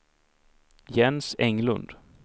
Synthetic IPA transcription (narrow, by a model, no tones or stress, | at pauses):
jɛnsɛŋlɵ̰nd̪̥